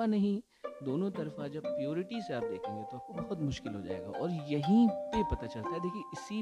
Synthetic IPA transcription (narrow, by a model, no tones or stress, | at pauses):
anɐɦĩ | d̪oːnõt̪ɐɾfad͡ʒɐbpːɾijoːɾɪʈiseaːp̚d̪ḛːkʰẽːŋɡet̪oaːp̚kobɐɦʊt̪mʊʃkɪlɦo̰d͡ʒa̰ːḛːɡa̰ʔɔ̰ːɾjɐɦĩpepɐt̪at͡ʃɐlt̪aɦɛd̪eːkʰieʔɪsi